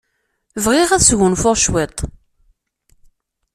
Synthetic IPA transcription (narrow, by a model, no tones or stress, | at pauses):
vʁɪʁæsʝunfʊʁʃwet̪ˤ